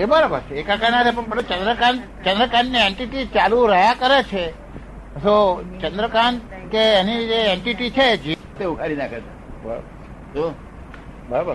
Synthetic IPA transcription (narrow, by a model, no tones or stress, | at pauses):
ebəɾabəɾt͡ʃʰeekãkənat̪ʰepəɳpəɽot͡ʃənd̪ɾəkaɳ | t͡ʃə̃nd̪ɾəkaɳnieɳʈiʈit͡ʃaluɾəjakəɾet͡ʃʰe | sot͡ʃə̃nd̪ɾəkaɳkeːnid͡ʒeeɳʈiʈit͡ʃʰed͡ʒi | t̪eukaɾinakʰet̪ebəɾa̰bə | d͡ʒo | bəɾab